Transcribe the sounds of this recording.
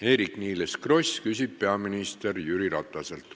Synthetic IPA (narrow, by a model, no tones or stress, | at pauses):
e̞ːɾikniːleskro̞sʲkysʲib̥̚pe̞ɑminist̪e̞rjyɾiɾɑt̪ˑːɑse̞lt̪